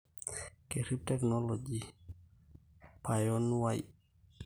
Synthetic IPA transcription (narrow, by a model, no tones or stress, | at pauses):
keɾip̚tɛknɔlɔd͡ʒi | pajɔnwaj